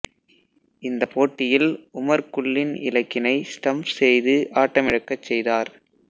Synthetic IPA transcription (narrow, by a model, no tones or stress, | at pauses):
ɪnd̪ɐpoːʈːɪjɪlʊmɐɾkʊɭːɪnɪ̰lɐkːɪnɐɪsʈɐmpsɛjðɯʔaːʈːɐmɪɻɐkːɐt͡ʃːɛjðaːɾ